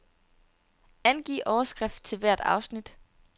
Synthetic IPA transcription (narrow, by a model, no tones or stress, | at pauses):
ænɡ̥ḭːʔɒʊɐsɡ̥ʁɛfd̥̚t͡sʰe̝lʋæɐ̰d̥ɑ̈ʊsnid̥